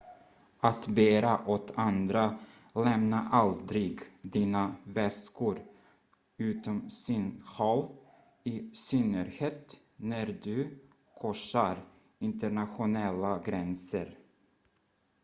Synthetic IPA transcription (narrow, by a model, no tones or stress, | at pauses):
at̪beːɾaʔɔt̪ʰand̪ɾa | lɛmnaʔald̪ɾɪɡd̪iːnavɛskʊɾ | ʉ̟ːt̪ɔmsɪnhɔl | ɪsʏnəɾheːt̪ | næɾd̪ɵ | kʰɔʂaɾ | ɪnt̪əɳat̪ɧʊnɛlːaɡɾɛnsə̰ɾ